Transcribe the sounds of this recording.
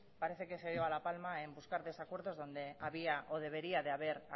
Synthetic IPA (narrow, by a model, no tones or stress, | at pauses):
paɾe̞θe̞ke̞sejoalapalmae̞mbuskaɾðe̞sakwe̞ɾðo̞zðo̞nd̪e̞aβiaʔoð̞e̞β̞e̞ɾiaðeaβ̞e̞ɾ